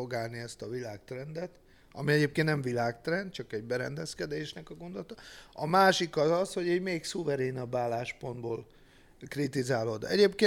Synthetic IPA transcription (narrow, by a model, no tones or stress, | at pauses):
oɡaːlniɛst̪ɒvilaːkt̪rɛnd̪ɛt̪ | ɒ̰miɛɟeːpkẽːnt̪nɛmɱvilaːkt̪rɛnd̪̚t͡ʃɒkɛɟ̚bɛɾɛ̰nd̪ɛskɛd̪eːʃnɛkɒɡond̪o̞lt̪ɒɒmaːʃikɒzɒsho̞ɟiːɟmeːksuvɛɾeːnɒbːaːlaːʃpo̞nd̪boːl | krit̪izaːlo̞d̪ɛ̰ɟeːp̚keː